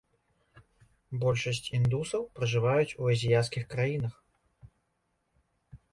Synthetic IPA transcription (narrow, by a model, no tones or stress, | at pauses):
bɔlʲʂɐsʲt͡sʲind̪usɐwpɾɐʐɨvajut͡sʲuɐzʲijat̪s̬kʲixkɾajinɐx